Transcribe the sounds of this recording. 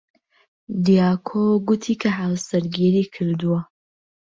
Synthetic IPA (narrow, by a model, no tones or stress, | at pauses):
d̪ijaːkʰoɡut̪ʰiːkʰɐɦaːwsɐɾɡiːɾiːkʰɨɾd̪uwɐ